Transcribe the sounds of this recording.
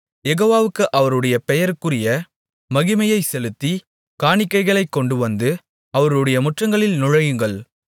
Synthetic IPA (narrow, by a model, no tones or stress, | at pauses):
jɛɣoːʋaːʋɯkːɯʔɐʋɐɾɯɽɐjɐpɛjɐɾɯkːɯrɪjɐ | mɐɣɪmɐjɐɪsɛlɯt̪ːi | kaːɳɪkːɐɪɣɐɭɐɪkːɔɳɖɯʋɐnd̪ɯ | ɐʋɐɾɯɽɐjɐmʊʈrɐŋɡɐɭɪlnʊɻɐjɯŋɡɐɭ